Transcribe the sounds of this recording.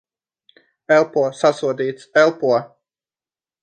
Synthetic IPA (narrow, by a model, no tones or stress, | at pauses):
ɛlˠpuɔsasuɔd̪iːt̪sɛlˠpuɔ